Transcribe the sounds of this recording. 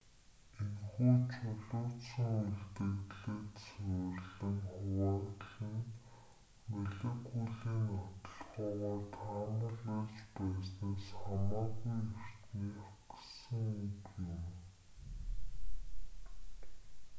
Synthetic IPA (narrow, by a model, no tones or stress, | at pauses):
enχuːt͡ɕʰʊɮʊːt̪sə̆ŋuɮt̪ɘ̆ɣɮeːt̪sʊjrɮɘ̆ŋχʊwaːt̪ɮə̆n | meɮĕkujɮiːnɔt̪ɞ̆ɮʁʊːʁaːt̪ʰaːmə̆ɮaːspæːsnaːsamaːɣujer̥t̪niːaɡsə̆ŋukjʊm